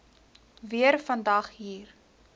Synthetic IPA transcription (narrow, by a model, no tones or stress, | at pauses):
viərfɐndɐχɦiːr